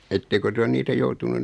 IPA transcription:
etːekø ty on niːtæ joutunun

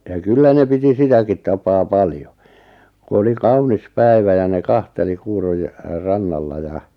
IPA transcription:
jɑ kylːæ ne piti sitækit tɑpɑː pɑljo ku oli kɑunis pæi̞ʋæ jɑ ne kɑnteli kuːroj rɑnːɑlːɑ jɑ

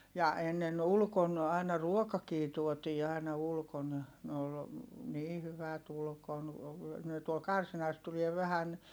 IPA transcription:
jɑ enːen ulkon ɑˑinɑ ruokɑkiː tuotiː ɑˑinɑ ulkon ne ol niː hyʋæt ulkon ne tuol kɑrsinɑs tulie ʋæhæn

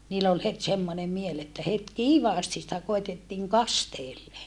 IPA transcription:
niːlː ol het semːone miel etːæ het kiːʋɑːsti sĭtæ koitetːiːŋ kɑsteːlːe

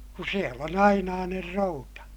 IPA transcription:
ku siel on ɑinɑːner routɑ

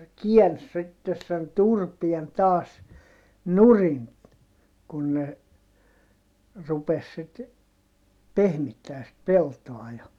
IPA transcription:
kiæns sitːes sen turpien tɑːs nurin kun ne rupes sit pehmitːæː sit peltoɑ jɑ

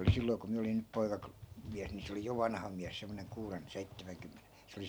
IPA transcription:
oli silːoi̯ ku miæ olin ny poikɑklo miæs ni se oli jo ʋɑnhɑ miæs semːoneŋ kuːren seitːæmæŋkymːene se oli

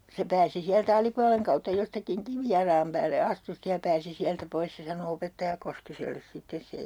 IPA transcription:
se pæːsi siæltæ ɑlipuɑleŋ kɑutːɑ jostɑkiŋ kiʋijɑlɑːm pæːlːe ɑstu stej jɑ pæːsi siæltæ pois se sɑno opetːɑjɑ koskiselːes sitːes sej

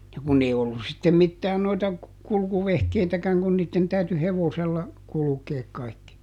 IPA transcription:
jɑ kun ei olːus̆ sitːem mitːæːn noitɑ kulkuʋehkeitækæŋ kun niːtːen tæyty heʋoselːɑ kulukeːk kɑikːi

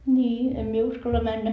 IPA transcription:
nʲiːem mie uskɑlːɑ mænːæ

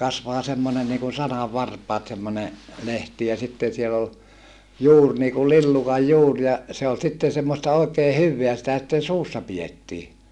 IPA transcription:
kɑsʋɑː semːonen niːkun sɑnɑʋːɑrpɑːt semːone lehti jɑ sitːen̞ siel ol juːr niːkul lilːukɑj juːr jɑ se ol sitːen̞ semːostɑ oˑi̯keː hyʋːeæ sitæ sitːen suːsːɑ pijetːiː

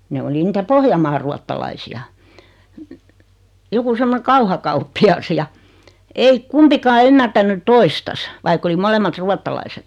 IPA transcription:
ne oli nitæ pohjɑmɑːr ruɑtːɑlɑisiɑ joku semːone kɑuhɑkɑupːiɑs jɑ ei kumpikɑː ymːærtænːy toistɑs ʋɑikː oli molemːɑt ruɑtːɑlɑiset

